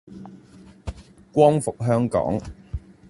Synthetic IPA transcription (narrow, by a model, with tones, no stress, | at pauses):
kʷɔː˥ŋfʊ˨k̚ɦœː˥ŋkɔ̰ː˨˥ŋ